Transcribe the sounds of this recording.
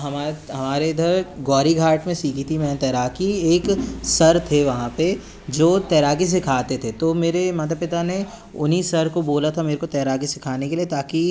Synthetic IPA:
ɦɐmaːɦɐmaːɾeɪd̪ʱəɾɡɔːɾiɡʱaːɾʈmẽsiːkʰit̪ʰimɛ̃ːt̪ɛːɾaːkieːksɐɾt̪ʰeʋɐɦãpe | d͡ʒoːt̪ɛːɾaːkis̬ɪkʰaːt̪et̪ʰet̪omeːɾemaːt̪̬apɪt̪ane | ʊ̰nisɐɾkoboːlat̪ʰameːɾekot̪ɛːɾaːɡisɪkʰaːnekeliet̪aːki

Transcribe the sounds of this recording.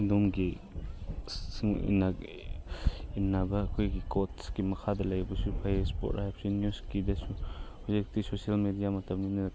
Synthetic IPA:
udomɡi | siŋḭna | inːabɐːkʰojɡikotsɡimɐkʰadɐlɐjbɐsupʰajespo̰tɾajp̚sinjuskidɐsuhowzik̚tisosialmedijamɐtɐmninɐn

